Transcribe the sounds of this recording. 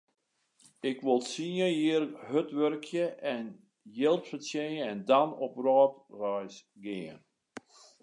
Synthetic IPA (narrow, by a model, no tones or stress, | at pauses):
ɪkʋolˠsiəjiərɦøtʋørkʰjəʔɛn | jɪlˠtfəsjeəɛndanɔprɔːtrœjs | ɡɪːən